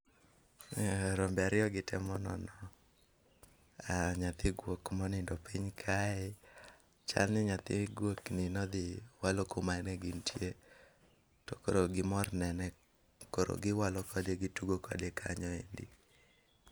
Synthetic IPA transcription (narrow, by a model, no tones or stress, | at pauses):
ɾombɛaɾɪɔɡɪtʰɛmɔnɔ̰nɔ | aɲat̪ɪɡwokmɔnɪndɔpiɲkʰaɪ | t͡ʃa̰lnɪɲat̪ɪ̰ɡwoknɪnɔd̪ɪwalokomanɛɡɪntʰje | tɔkoɾoɡɪmɔrnɛnɛ | koɾo̰ɡɪwalɔkɔdeɡituɡokɔ̰dekʰaɲɔendḭ